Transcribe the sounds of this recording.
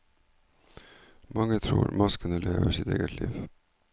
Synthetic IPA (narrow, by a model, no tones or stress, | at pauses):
mɑŋət̪ʰɾuːɾmɑskənəleːʋəɾsɪt̪eːɡət̪liːʋ